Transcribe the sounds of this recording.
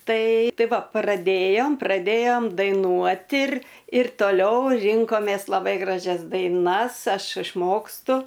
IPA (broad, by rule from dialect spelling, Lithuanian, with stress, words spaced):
ˈtɐɪ ˈtɐɪ ˈʋɐ prɐˈdʲeːjoːm prɐˈdʲeːjoːm dɐɪˈnuɔt ɪr ɪr toːˈlʲɛʊ ˈrʲɪŋkoːmʲeːs lˠɐˈbɐɪ ɡrɐˈʒʲɛs dɐɪˈnɐs ˈɐʃ ɪʃˈmoːkstʊ